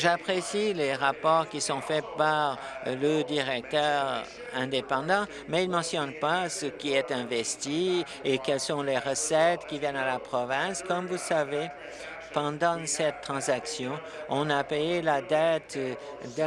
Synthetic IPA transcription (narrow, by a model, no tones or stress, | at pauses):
ʒapχesileʁapɔʁkʲisɔ̃fɛpaʁ | ləd̪iʁɛk̚t̪œʁ | ɛ̃d̪epɑ̃d̪ɑ̃ | mɛilmɑ̃sjɔnpasəkʲiɛt̪ɛ̃vɛst̪i | ekɛlsɔ̃leʁəsɛt̪kʲivjɛnalapχɔvɛ̃skɔmvusave | pɑ̃d̪ɑ̃sɛt̪ːχɑ̃zaksjɔ̃ | ɔ̃napejelad̪at̪ | d̪